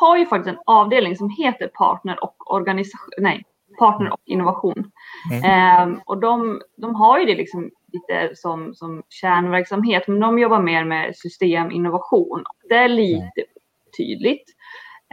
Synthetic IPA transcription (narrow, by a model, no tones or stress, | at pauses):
haɾjɵfak̚t̪ɪst̪ɛnɑːvd̪eːlnɪŋsɔmɦeːt̪əɾpʰɑ̰ːʈɳəɾɔkːɔ̰ɾɡanɪsanɛj | pʰɑːʈɳəɾʔɔ̰kːɪ̰nːʊvaɧuːn | ʔɔd̪ɔmd̪ɔmɦaɾjɵd̪ɛlɪksɔmliːt̪ə̰sɔmsɔmɕæːɳvæɾksamɦeːt̪mɛnd̪ɔmjɔbːaɾmeːɾmɛ̰sʏst̪eːmʔɪ̰nːʊvaɧuːnɔ̰k̚d̪ɛæɭiːt̪əuːt̪ʰy̰ːd̪lɪt̪